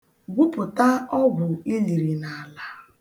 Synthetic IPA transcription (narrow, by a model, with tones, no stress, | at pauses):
ɡʷu˦pʊ˨ta˦ɔ˦ɡʷʊ˨i˦li˨ɾi˨na˨la˨